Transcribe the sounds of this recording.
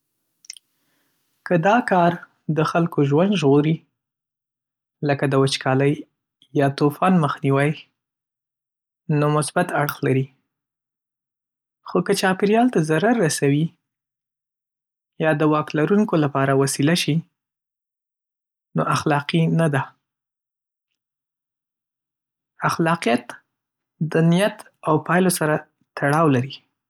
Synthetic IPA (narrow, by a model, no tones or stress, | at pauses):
kəd̪ɑkɑɾ | d̪əxalkoʒwand̪ʒɣoɾi | ləkad̪əwat͡ʃkʰɑləj | jɑt̪ofɑnməxniwaj | nomʊsbat̪aɽxlaɾi | xokət͡ʃɑpɪɾjɑlt̪azaɾaɾːasawi | jɑd̪əwɑklaɾuŋkolapɑɾawasilaʃi | noʔaxlɑqinad̪a | axlɑqijat̪ | d̪ənijat̪ | awpɑjlosaɾa | t̪ʰaɽɑwlaɾi